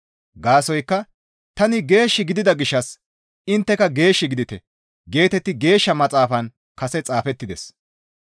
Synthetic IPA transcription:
ɡaːsɔjkːɐ | t̪ɐnɪɡe̞ːʃːɪɡɪd̪ɪd̪ɐɡɪʃːɐs | ɪnt̪ːɛkɐɡe̞ːʃːɪɡɪd̪ɪt̪ɛ | ɡe̞ːt̪ɛt̪ːɪɡe̞ːʃːɐmɐt͡sʼaːfɐn | kɐsɛt͡sʼaːfɛt̪ːɪd̪ɛs

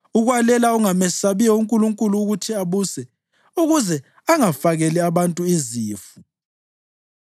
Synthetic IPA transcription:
uɣwalɛlauŋamɛsaβijɔuŋkʼuluŋkʼuluːɣutʰiaβusɛ | uɣuzɛ | aŋafaɣɛlɛaβantʼuiziːfu

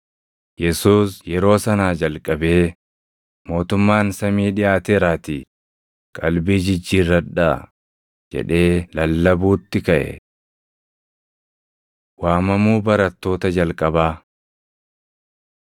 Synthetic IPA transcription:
jɛsuːsjɛɾo̞ːsɐnaːd͡ʒɐlkʼɐbe̞ː | mo̞ːt̪ʊmːaːnsɐmiːᶑɪjaːt̪eːɾaːt̪iː | kʼɐlbiːd͡ʒɪd͡ʒːiːrːɐᶑa | d͡ʒɛ̰ᶑe̞ːlɐlːɐbuːt̪ːɪkɐʔɛ̰ | waːmɐmuːbɐɾɐt̪ːo̞ːt̪ɐd͡ʒɐlkʼɐbaː

